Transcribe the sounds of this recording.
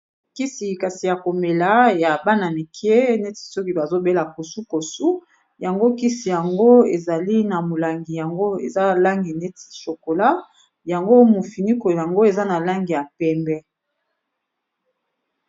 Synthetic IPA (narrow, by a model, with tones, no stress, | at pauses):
ki˦si˨ka˨si˨ja˨ko˨me˨la˨˦ja˨ba˦na˨ni˨kʰi˦e˦ne˦ti̥˨so˦ki˦ba˨zo˦be˦la˨ko˨su˦ko˨su˦ | ja˨ŋɡo˦ki˦si˨ja˨ŋɡo˦e˨za˨li˦na˨mo˨la˨ŋɡi˨ja˨ŋɡo˦ḛ˨za˦la˦ŋɡi˨ne˦ti̥˨ʃo˨ko˨la˦ | ja˨ŋɡo˦mo˨fi˨ni˦ko˨ja˨ŋɡo˦e˨za˦na˨la˦ŋɡi˨ja˨pɛ˦mbɛ˦